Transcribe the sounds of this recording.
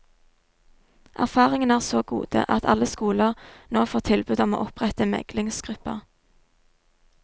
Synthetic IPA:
ʔæ̰ʁfɑːʁɪŋənæːʁsoːɡṵːd̪̥ə̰ʔɑt̪ʰɑ̰ləskuːləʁnoːfoːʁt̪ʰɪlbʉd̪ɔmo̰ːʔɔpʁɛt̪əmɛ̰ɡlɪŋsɡ̥ʁʉpə̰ʁ

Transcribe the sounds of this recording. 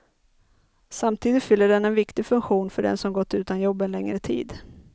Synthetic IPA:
samt̪ʰiːd̪ɪt̪fʏlːəɖɛnɛnvɪkt̪ɪfɵŋkɧuːnfœɖɛ̰nsɔmɡɔt̪ːʉ̟ːt̪anjɔbːɛnlɛŋɾət̪ʰḭːd̪

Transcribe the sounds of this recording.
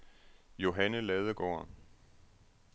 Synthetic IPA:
jo̝ɦænəlɛðˠəɡ̥ɒ̰ːɐ

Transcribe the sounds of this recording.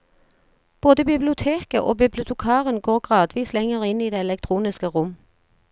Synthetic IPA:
b̥oːd̪əbɪblɪʊt̪ʰeːkəʔo̰ːbɪblɪʊt̪ʰɛkʰɑːʁənɡoːʁɡʁɑːd̪ʋiːslɛŋəʁɪniːd̪eːɛlɛk̚t̪ʰʁuːnɪskəʁʊm

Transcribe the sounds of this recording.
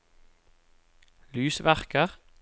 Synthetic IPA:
lʉːsʋæʁkəʁ

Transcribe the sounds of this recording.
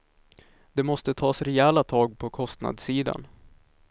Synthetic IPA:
d̪̥ɛmɔst̪ət̪ʰɑːsɾɛɛːlat̪ʰɑːɡ̚pʰɔkʰɔst̪na̰d̪siːd̪a̰n

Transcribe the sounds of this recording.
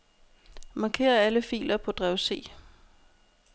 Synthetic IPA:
mɑ̈ːkʰe̝̰ːɐæləfḭːlɐpʰɒ̽d̥ʁɛʊse̝̰ː

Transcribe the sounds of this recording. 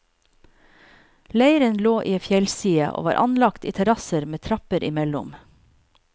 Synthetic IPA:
læɪɾənloːʔiːfjɛlsiːəʔo̰ːʋɑ̰ːɾʔɑ̰nlɑkt̪ḭːt̪ʰɛɾɑsəɾmeːt̪ʰɾɑpəɾʔɪmɛlʊ̰m

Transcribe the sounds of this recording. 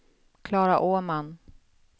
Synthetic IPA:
kʰlɑːɾaʔoːman

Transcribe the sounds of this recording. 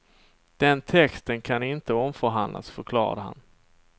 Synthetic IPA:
d̪̥ɛnt̪ʰɛkst̪ənkʰanɪnt̪əɔmfœɾɦand̪la̰sfœɾkʰlɑ̰ːɾa̰d̪əha̰n

